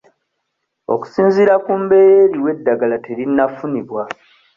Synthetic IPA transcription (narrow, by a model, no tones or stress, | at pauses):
o̞̰ku̥siːnziɾakumbe̞jeɾiwe̞dːaɡalateɾinːafuniβwa